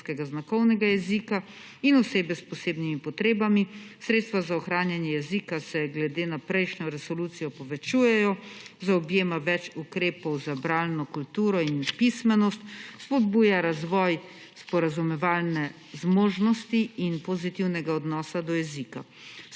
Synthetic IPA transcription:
kɛɡaznakɔwnɛɡajɛzika | inɔseːbɛspɔseːbnimipɔt̪ɾeːbamisɾet̪st̪ʋazaɔxɾaːnjanjɛjɛzikasɛɡlɛd̪eːnapɾɛjʃnɔɾɛsɔluːt̪sijɔpɔʋɛt͡ʃuːjɛjɔzaɔbjeːmaʋɛt͡ʃukɾeːpɔwzabɾaːlnɔkult̪uːɾɔinpismɛnɔst̪spɔd̪̚buːjaɾazʋɔj | spɔɾazumɛʋaːlnɛ | zmoːʒnɔst̪iinpɔzit̪iwnɛɡaɔd̪nɔːsad̪ɔjɛzika

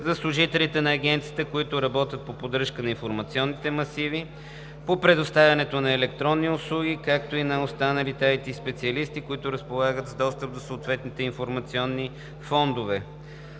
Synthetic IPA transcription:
zɐslˠʊʒit̪ɛlit̪ɛnɐːɡ̟ɛnt̪sijət̪əkoit̪ʊɾɐbɔt̪ʲjət̪̚popod̪ɾɤʃkənɐinfoɾmɐt̪siɔnːit̪ɛmɐsivi | popɾɛd̪ʊst̪avʲɐnɛt̪onɐɛlɛkt̪ɾɔnːiʊslˠuɡʲikak̚t̪oinɐost̪anəlit̪ait̪ispɛt̪siɐlist̪ikʊit̪ʊɾəspolˠaɡət̪zd̪ɔst̪əp̚d̪osoːt̪vɛt̪nit̪ɛinfoɾmɐt̪siɔnːi | fɔnd̪ovɛ

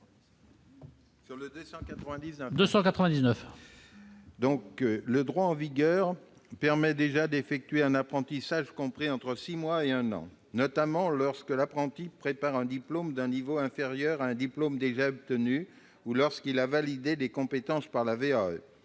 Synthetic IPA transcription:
syʁləd̪øsɑ̃kat̪χəvɛ̃d̪iznəd̪øsɑ̃kat̪χəvɛ̃d̪iznəf | d̪ɔ̃kləd̪ʁwaɑ̃viɡʲœʁpɛʁmɛd̪eʒad̪efɛk̚t̪ɥeɛ̃napχɑ̃t̪isaʒkɔ̃pχiɑ̃t̪χəsimwaeɛ̃nɑ̰̃ | nɔt̪amɑ̃lɔʁskəlapχɑ̃t̪ipχepaʁɛ̃d̪iplomd̪ɛ̃nivoɛ̃feʁjœʁaɛ̃d̪iplomd̪eʒaɔb̚t̪əny | ulɔʁskilavalid̪elekɔ̃pet̪ɑ̃spaʁlaveaø̰

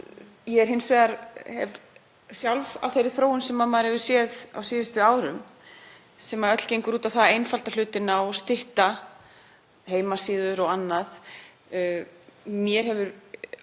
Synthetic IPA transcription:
jɛɛɾ̥ɦɪnsvɛːðaɾhɛv | sjawlva̰vθejɾɪ̥θɾoːwʏnsɛmːaðmaðɾɛvʏ̥sjɛða̰wsiːðɪst̪ʏaːwɾʏm | sɛmaœt̪l̥cejŋkʏɾuːt̪awθaðejnfal̥t̪al̥ʏːt̪ɪnawɔst̪ɪht̪a | heːjmasiːðʏɾɔɣanːað | mjɛɾ̥hɛvʏɾ

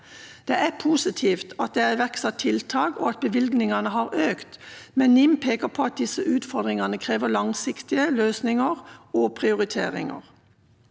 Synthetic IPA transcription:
d̪̥ɛʔæpʰuːsɪt̪ʰiːft̪ʰɑt̪̚d̪ɛæʋɛksɑt̪ʰːɪlt̪ʰɑːkɔ̰ɑt̪̚bəʋɪlɡnɪŋɑnəɦɑːʁʔøːkt̪mɛnːɪmpʰeːkəpʰɔɑt̪̚d̪ɪsəʔʉːt̪fɔʁd̪ʁɪŋɑnəkʰʁeːʋəlɑŋsɪkt̪ɪəløːsnɪŋəʁopʰʁɪʊʁɪt̪ʰḛːʁɪ̰ŋə̰ʁ

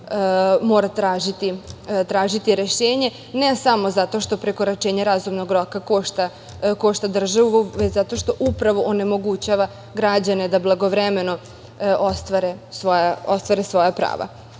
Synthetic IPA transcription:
mo̞ːɾat̪ɾaːʒit̪it̪ɾaːʒit̪iɾeʃeːɲe̞ | nesamo̞zat̪o̞ʃt̪o̞pɾeko̞ɾat͡ʃeːɲaɾazumnoɡɾokako̞ʃt̪a | ko̞ʃt̪ad̪r̩ʒaʋuuʋet͡ɕzat̪o̞ʃt̪o̞ʔupɾaʋo̞ʔone̞mo̞ɡut͡ɕaʋa | ɡɾad͡ʑane̞d̪ablˠaɡo̞ʋɾeme̞no̞ | ʔo̞st̪ʋaɾe̞sʋojaost̪ʋaɾesʋo̞japɾa̰ːʋa̰

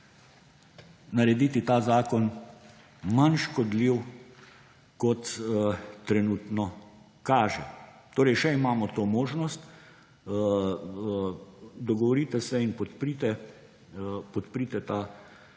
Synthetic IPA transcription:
nɐɾɛd̪iːt̪it̪aːzaːkɔn | manʃkɔd̪liw | kɔt̪ | t̪ɾɛnuːt̪nɔ | kaːʒɛ̰t̪oːɾɛjʃɛimaːmɔt̪oːmoːʒnɔst̪ | d̪ɔɡɔʋɔɾit̪ɛsɛinpɔt̪pɾit̪ɛ | pɔt̪pɾit̪ɛt̪aː

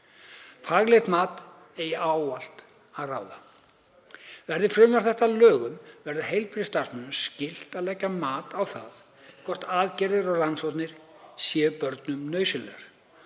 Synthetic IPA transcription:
faɣlɛht̪maːt̪ | ɛjaːwal̥t̪ | aðraːwða̰ | vɛɾðɪfɾʏmvaɾ̥θɛht̪alœːɣʏmvɛɾðɪɦejlpɾst̪asmɛnʏmscɪl̥t̪aðlɛcːamaːt̪awθa̰ð | kʰɔr̥t̪aːðcɛɾðɪɾɔɣransɔwt̪nɪɾ̥sjɛːpœɾt̪nʏmnœːɥsɪlɛ̰ɾ̥

